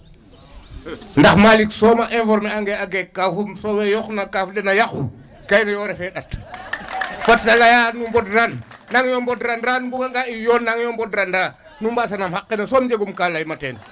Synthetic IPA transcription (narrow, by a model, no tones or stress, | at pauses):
ndaxmaliksɔmaʔɛ̃fɔɾmɛaŋɡɛaɡɛkːafumsɔwɛjɔxnakafdɛnajaxṵ | kajnajɔɾɛfɛɗat | fatsalajanumbɔdranːaŋjɔmbɔdɾanɾanbuɡaŋɡaijɔːnːaŋjɔmbɔdɾanda | numbasanamhakːɛnasɔmd͡ʒeɡumkalajmatɛːn